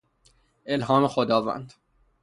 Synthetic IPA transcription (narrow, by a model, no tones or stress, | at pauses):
ʔelɦɒːmexod̪ɒːvæ̰nd̪̥